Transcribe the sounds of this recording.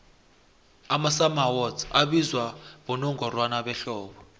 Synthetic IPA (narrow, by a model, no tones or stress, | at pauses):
amasamawɔtʰaɓizwaβɔnɔŋɡʱɔrwanaɓɛɬɔːɓɔ